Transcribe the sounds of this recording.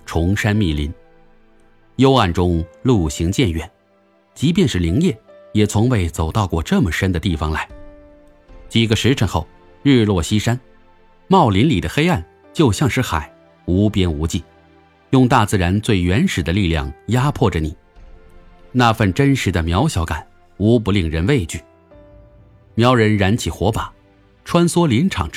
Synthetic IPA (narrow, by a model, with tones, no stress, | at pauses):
ʈ͡ʂʰʊ˧˥ŋʂa˥nmi˥˩li˧˥n | jo˥ʊa˥˩nʈ͡ʂʊ˥ŋlu˥˩ɕi˧˥ŋt͡ɕjɛ˥˩nɥɛ˨˩˦n | t͡ɕi˧˥p̬jɛ˥˧nʂɻ̩˥˩li˧˥ŋjɛ˥˩ | jɛ˨˩t͡sʰʊ˧˥ŋwe˥˩ɪt͡so˨˩ʊt̪ɑ˥˧ʊkwɔ˥˧ʈ͡ʂɤ˥˩mə˩ʂə˥nd̪ə˨t̪i˥˩fɑ˨˩ŋla˧˥ɪ | t͡ɕi˨˩ɡə˧ʂɻ̩˧˥ʈ͡ʂʰɤ˧˥ŋxo˥˩ʊ | ɻ̩˥˧lwɔ˥˩ɕi˥ʂa˥n | mɑ˥˩ʊli˧˥nli˨˩d̪ə˦xe˥ɪa˥˩n | t͡ɕjo˥˧ʊɕjɑ˥˧ŋʂɻ̩˥˩xa̰˨˩˦ɪ | u˧˥pjɛ˥nu˧˥t͡ɕi˥˩ | jʊ˥˧ŋt̪a˥˧t͡sɹ̩˥˩ɻa˧˥nt͡swe˥˩ɪɥɛ˧˥nʂɻ̩˨˩d̪ə˦li˥˧ljɑ̰˥˩ŋja˥pʰwɔ˥˩ʈ͡ʂə˩ni˨˩ | na˥˧fə˥˩nʈ͡ʂə˥nʂɻ̩˧˥d̪ə˧mjɑ˧˥ʊɕjɑ˧˥ʊka˨˩˦n | u˧˥p̬u˧˥li˥˩ŋɻə˧˥nwe˥˧ɪt͡ɕy˥˩ | mjɑ˧˥ʊɻə˧˥nɻa˧˥nt͡ɕʰi˨˩xwɔ˧˥pa˨˩˦ | ʈ͡ʂʰwa˥nswɔ˥li˧˥nʈ͡ʂʰɑ̰˨˩ŋ